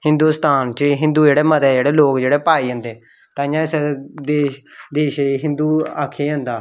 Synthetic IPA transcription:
hɪnd̪uːst̪aːnt͡ʃəɦɪ̃nd̪uːd͡ʒeːɽɛːmət̪ɛːd͡ʒeːɽɛːloːkd͡ʒeːɽɛːpaːiːɦə̃nd̪eː | t̪ãːɪjãːɪsed̪eːd̪eːʃiɦɪ̃nd̪uːaːkʰːeːɦənd̪aː

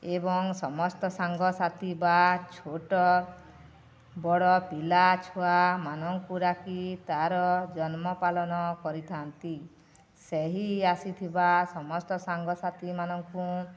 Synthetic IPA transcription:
ebɔŋsɔmɔst̪ɔsaŋɡɔsat̪ibat͡ʃʰoʈɔ | bɔɽɔpilat͡ʃʰuamanɔŋkuɾakit̪aɾɔd͡ʒɔnmɔpalɔnɔkɔɾit̪ʰant̪i | seɦiasit̪ʰibasɔmɔst̪ɔsaŋɡɔsat̪imanɔŋku

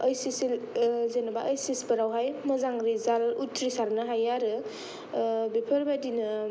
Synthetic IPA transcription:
əjsisilzenɐbaʔəjsispɐɾawɦajmɐzaŋɾizalutʰɾisaɾnɯɦajaɾɯ | bepʰɐɾbadinɯ

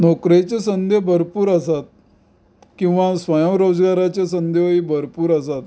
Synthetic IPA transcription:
nokɾet͡sesənd̪ʱebʱəɾpuːɾəsat̪̚ | kĩw̃ʋasʋajəmɾod͡zɡaɾat͡ɕesənd̪ʱeʋibʱəɾpuːɾəs̬at̪

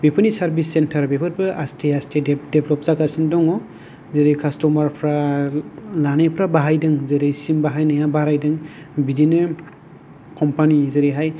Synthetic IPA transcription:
bepʰɯnisaɾbisːentʰɐɾbepʰaɾbɯʔastʰeastʰedebʰlɔp̚zakasindɔŋɔ | zeɾejkʰastɔmaɾpʰɾa | lanepʰɾabaɦajdɯŋzeɾejsimbaɦajnajabaɾajdɯŋ | bidinɯ | kʰɔmpanizeɾejɦaj

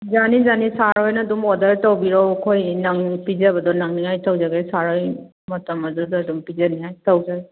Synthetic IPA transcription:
zanizanisaɾɔjnadumɔdaɾtɔwbiɾɔwkʰɔjnaŋpizabadɔnaŋniŋajtawzaɡesaɾɔj | mɔtamazɔdɔdumpizanijajtawzaɡe

